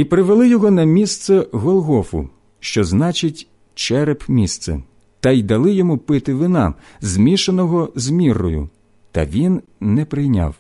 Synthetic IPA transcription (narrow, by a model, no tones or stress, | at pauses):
ipɾɪʋelˠɪjɔɦɔnɐmʲist̪sɛɣɔlˠɣɔfʊ̰ | ʃt͡ʃɔznɑt͡ʃɪtʲ | t͡ʃɛɾepmʲist̪sɛ̰ | t̪ɐjd̪ɐlˠɪjɔmupɪt̪ɪʋɪnɑ̰ | zmʲiʃenɔɦɔzmʲirɔjʊ̰ | t̪ɐ̰ʋʲinːɛpɾɪjnʲa̰w